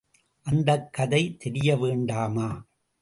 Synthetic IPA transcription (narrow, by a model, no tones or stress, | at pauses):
ʔɐnd̪ɐkːɐðɐɪt̪ɛɾɪjɐʋeːɳɖaːmaː